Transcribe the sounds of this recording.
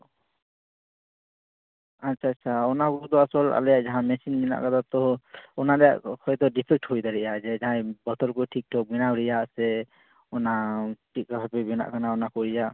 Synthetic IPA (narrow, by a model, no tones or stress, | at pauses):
atːt͡ʃʰaːt͡ʃʰaɔnakɔd̪ɔaswɔla̰ljaʔd͡ʒaɦãmɛsinbina̰ʔkad̪at̪ɔɔnadɛjaʔhʰɔjt̪ɔɖipʰik̚ʈɦojd̪aɾɛjad͡ʒɛd͡ʒaɦãbɔt̪ɔlkɔʈʰik̚ʈʰɔk̚minawɾɛjaʔsɛ | ɔnaʈʰik̚kaɦapɛbina̰ʔkanaɔnakɔɾid͡ʒaʔ